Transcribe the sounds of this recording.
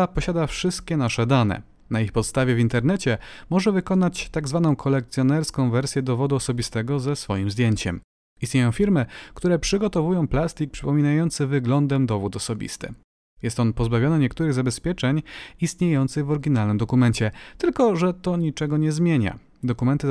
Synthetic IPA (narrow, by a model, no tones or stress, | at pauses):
apɔɕad̪afʂɘst̪̚kʲɛnaʂɛd̪anɛ̰ | naixpɔt̪st̪avʲjɛvʲint̪ɛɾnɛt͡ɕɛmɔʐɛvɘkɔnat͡ɕt̪aɡzvanɔ̃w̃kʰɔlɛkt̪sjɔnɛɾskɔ̃w̃vɛɾsʲjɛd̪ɔvɔd̪uɔsɔbʲist̪ɛɡɔzɛsfɔjimzd̪ʲjeɲt͡ɕɛ̰m | ist̪ɲejɔ̃w̃fʲiɾmɘkt̪uɾɛpʂɘɡɔt̪ɔvujɔ̃w̃plast̪ʲik̚pʂɘpɔmʲinajɔnt̪sɘvɘɡlɔnd̪ɛmd̪ɔvut̪ɔsɔbʲḭst̪ɘ̰ | jɛst̪ɔnpɔzbavʲjɔnɘɲɛkt̪uɾɘɣzabɛspʲjɛt͡ʂɛɲist̪ɲejɔnt̪sɘɣvɔɾɡʲinalnɘmd̪ɔkumɛnt͡ɕɛt̪ɘlkɔʐɛt̪ɔɲit͡ʂɛɡɔɲɛzmʲjeɲa̰ | d̪ɔkumɛnt̪ɘ